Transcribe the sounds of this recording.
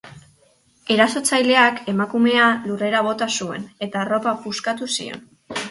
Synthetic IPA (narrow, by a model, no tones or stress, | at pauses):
e̞ɾaso̞t͡sajle̞ake̞makume̞alure̞ɾaβ̞o̞t̪asue̞̰ne̞t̪aro̞papuskat̪usḭo̞̰n